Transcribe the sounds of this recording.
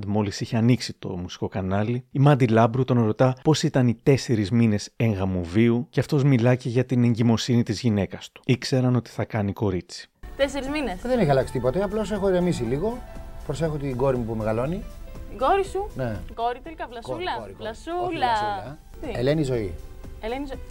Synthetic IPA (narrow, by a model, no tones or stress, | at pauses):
d̪mo̞lisiçeɐniksit̪o̞̰musi̥ko̞kɐnɐliimɐnd̪ilɐbɾut̪o̞nɾo̞t̪ɐpo̞sit̪ɐnit̪e̞se̞ɾizmine̞se̞ŋɣɐmuviuce̞ɐft̪o̞zmilɐce̞ʝɐt̪ine̞ɲɟimo̞sinit̪izʝine̞kɐst̪u̥ikse̞ɾɐno̞t̪i̥θɐkɐniko̞ɾit͡si̥t̪eseɾizminesðeneçiɐlɐksi̥t̪ipo̞t̪eɐplo̞se̞xoiɾemis̬iliɣo̞pɾose̞xot̪iɡo̞ɾimupumeɣɐlo̞nit̪iɡo̞ɾisunekoɾit̪elikɐvlɐskulɐoɾilɐsulɐɐ | ielenizo̞ielenizoi